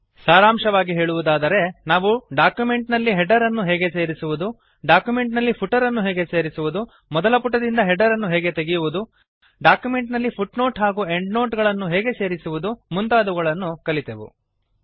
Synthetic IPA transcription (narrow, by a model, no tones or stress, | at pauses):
saːɾaːmʂɐʋaːɡiɦeːɭuʋud̪aːd̪ɐɾe̞naːʋuɖaːkjume̞ɳʈnɐlːiɦɛɖɐɾɐnːuɦɛːɡe̞se̞ːɾisuʋud̪u | ɖaːkjume̞ɳʈnɐlːipʰuʈɐɾɐnːuɦeːɡe̞se̞ːɾisuʋud̪u | mɔd̪ɐlɐpuʈːɐd̪ind̪ɐɦɛɖɐɾɐnːuɦɛːɡe̞t̪eɡijuʋud̪u | ɖaːkjume̞ɳʈnɐlːipʰuʈno̞ːʈɦaːɡuːeɳɖno̞ːʈɡɐɭɐnːuɦɛːɡe̞se̞ːɾisuʋud̪umunt̪aːd̪uɡɐɭɐnːukɐlit̪eʋṵ